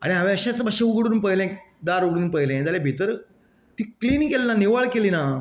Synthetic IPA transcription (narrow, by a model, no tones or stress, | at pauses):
a̰ɽ̃iɦãʋẽəɕãsəbəɕeuɡɽuːnpəɦjlẽ | d̪aɾuɡɽuːnpəɦjlẽd͡zalebʱit̪əɾ | t̪iːkliːnikelnaniʋaɭkeliːna